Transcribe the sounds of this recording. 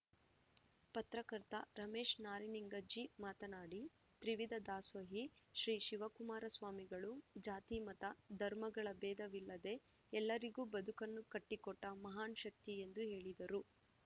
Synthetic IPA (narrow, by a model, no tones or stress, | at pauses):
pɐt̪ɾɐkɐɾt̪ɐ̰ɾɐmeːʂnaːɾiniŋɡɐd͡ʒimaːt̪ɐnaːɽi | t̪ɾiʋid̪ɐd̪aːsʋɐɦiʃɾiːʃiʋɐkumaːɾɐsʋaːmiɡɐɭud͡ʒaːt̪imɐt̪ɐd̪ʱɐɾmɐɡɐɭɐbɛːd̪ɐʋilːɐd̪e̞ | ɛlːɐɾiɡuːbɐd̪ukɐnːukɐʈːikɔʈːɐmɐɦaːnʃɐk̚t̪ie̞nd̪uɦeːɭid̪ɐɾu